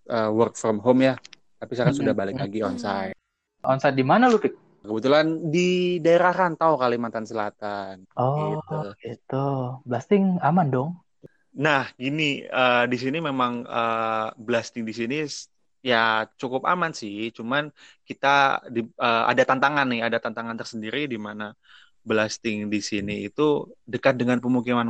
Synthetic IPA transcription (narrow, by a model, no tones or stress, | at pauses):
ʔəːwərk̚frɔmɦomja | t̪apisaɾasudahbalɪklaɡiɔnsajt̪̚ | ʔɔnsajt̪̚dimanalupɪk̚ | kəbət̪ulandidaeɾaɦant̪aokalimant̪ansəlat̪anɔɡiuɡit̪ublast̪ɪŋamandɔŋ | nahɡiniədisinimemaŋəbəlast̪ɪŋdisini | jat͡ʃukʊpa̰mansɪt͡ʃumankit̪adiəa̰dat̪ant̪aŋanːɪhadat̪ant̪aŋant̪ərsəndiɾidimana | bəlast̪ɪŋdisiniːt̪udəkat̪̚dəŋanpəmukiman